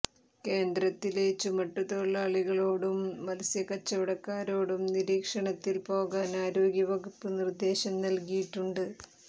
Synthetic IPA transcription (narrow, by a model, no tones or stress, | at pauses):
ke̞ːnd̪ɾɐt̪ːileːt͡ɕːumɐʈːuðoɭːɐːɭiɣɐɭo̞ːɽumːɐlɐsjɐkɐt͡ɕːɐʋiɽɐkːaːɾo̞ːɽumniɾiːkʂɐɳɐt̪ːilpo̞ːɣaːnaːɾo̞ːɡjɐʋɐɡupːɨnird̪e̞ːɕɐmnɐlkijiʈːuɳɖɨ